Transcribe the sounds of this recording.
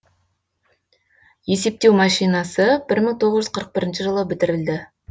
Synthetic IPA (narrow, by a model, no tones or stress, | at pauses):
je̞se̞p̚t̪e̞wmɑʃijnɑsəbɪɾməŋt̪ʰo̞ʁəzʒʏz̥qʰəɾəq̚bɪɾɪnʃəʒəlˠəbɪt̪ɪɾɪld̪ɪ